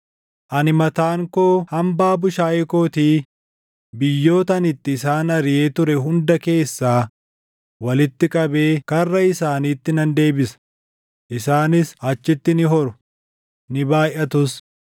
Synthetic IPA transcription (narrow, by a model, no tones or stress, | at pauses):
ʔɐnɪmɐt̪aːŋko̞ːhɐmbaːbʊʃaːjʔɛko̞ːt̪iː | bɪjːo̞ːt̪ɐnɪt̪ːɪːsaːnɐɾɪje̞ːt̪ʊɾɛɦʊnd̪ɐke̞ːsːaː | wɐlɪt̪ːɪkʼɐbe̞ːkɐrːɐɪsaːniːt̪ːɪnɐnd̪e̞ːbɪsɐ̥ | ʔɪsaːnɪsɐt͡ʃːɪt̪ːɪnɪɦɔɾʊ̥ | nɪbaːjʔɐt̪ʊs